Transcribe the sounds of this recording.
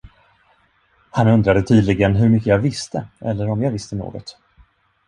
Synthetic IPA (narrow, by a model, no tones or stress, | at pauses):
hanɵnd̪ɾad̪ət̪ʰiːd̪lɪɡənɦɵɾmʏkːəjɑvɪst̪əʔɛlːəɾɔmjɑːɡvɪst̪əno̰ːɡɔ̰t̪